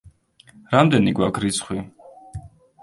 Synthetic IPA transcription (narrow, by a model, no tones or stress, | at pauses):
ɾamd̪ɛniɡwakʰɾit̪sʰχwi